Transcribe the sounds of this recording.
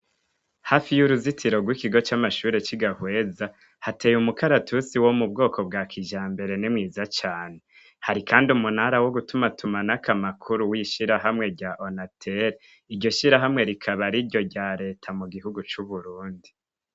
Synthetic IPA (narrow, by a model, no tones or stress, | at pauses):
hafijuɾuzitʰiɾo̞ɡwikiɡo̞t͡ʃamaʃuːɾe̞t͡ʃiɡahwe̞ːza | hateːjumukaɾatʰusiwo̞mubɡo̞ːkʰo̞bɡaːkʰiʒaːmbe̞ɾe̞nimŋiːzat͡ʃaːne̞ | haɾikʰaːndiumunhaɾawo̞ɡutumatʰumanakʰamakʰuɾuwiʃiɾaɦamŋe̞ɾɟaʔonatʰeɾ | iɾɟo̞ʃiɾaɦamŋe̞ɾikʰaβaɾiɾɟo̞ɾɟaːɾe̞ːtʰamuɡiɦuɡut͡ʃuβuɾuːndi